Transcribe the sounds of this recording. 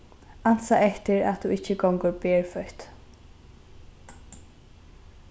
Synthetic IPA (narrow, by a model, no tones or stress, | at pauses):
ansaɛht̪ɪɾa̰t̪ʰuɪcːəɡɔŋkʊɹpeːɹfœht̪